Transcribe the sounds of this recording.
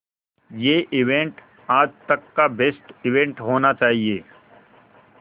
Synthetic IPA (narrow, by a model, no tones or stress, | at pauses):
jeːʔɪʋẽɳʈ | aːd͡ʒt̪ɐkːabesʈɪʋẽɳʈɦoːnat͡ʃaːɦieː